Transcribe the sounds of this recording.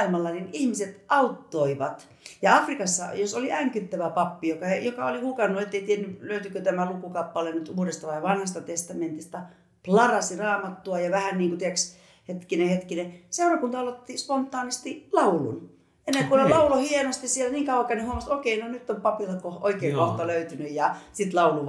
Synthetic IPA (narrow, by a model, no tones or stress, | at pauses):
ilmɑlːɑninihmiset̪ɑut̪ːoiʋɑt̪ | jɑɑfrikɑsːɑ̰josoliʔæŋkyt̪ːæʋæpɑpːijokɑejokɑolihukɑnːuet̪ːeit̪ienːyløyt̪ykøt̪æmælukukɑpːɑlennyt̪uːdest̪ɑʋɑiʋɑnhɑst̪ɑt̪est̪ɑment̪ist̪ɑ | plɑrɑsirɑːmɑt̪ːuɑjɑʋæhænniːŋkut̪ieks | het̪kinehet̪kineseurɑkunt̪ɑɑlot̪ːispont̪ːˑɑːnist̪ilɑulṵn | enːeŋkunolɑulohienost̪issielæniːŋkɑuwɑkænyhuomɑst̪okeinonyt̪ːompɑpilːɑkohoikeːŋkoht̪ɑløyt̪ynyjjɑsit̪lɑuluʋ